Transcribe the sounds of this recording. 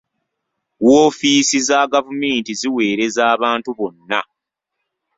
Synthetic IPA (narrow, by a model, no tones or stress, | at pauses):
woːfiːsizaɡavume̞ːntiziwe̞ːɾe̞zaːβaːntuβo̞nːa